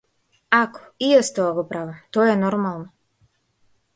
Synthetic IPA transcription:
ako̥ijest̪oaɡopɾaʋat̪ojenɔɾmalˠno

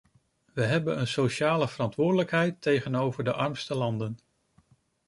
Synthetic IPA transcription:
ʋəɦɛbənənsoʃaːləvərɑntʋʊːɹdələkɦɛjtejχənowvəɹdəʔɑɹmstəlɑndən

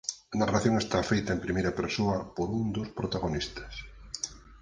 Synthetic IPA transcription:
ɐnaraθjõŋest̪afejt̪aempɾimejɾɐpeɾsoɐpoɾũnd̪ospɾot̪aɣonist̪ɐ̥s

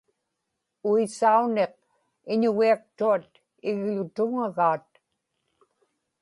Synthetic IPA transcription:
uisaune̞q̚ | ɪɲʊɣiak̚t̪uat̪̚ | ɪɣlʊt̪ʊŋaɣaːt̪̚

